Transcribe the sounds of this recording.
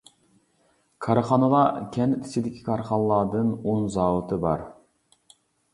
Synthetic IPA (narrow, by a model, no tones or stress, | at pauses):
kʰɑɾɑχɑnəlˠɑkʲʰɛnt̪ʰɪ̥sɪd̪ɪkʲʰi̥kʰɑɾχɑnlˠɑːd̪ɨnonzɑwɨt̪ʰɨbɑ̰ɾ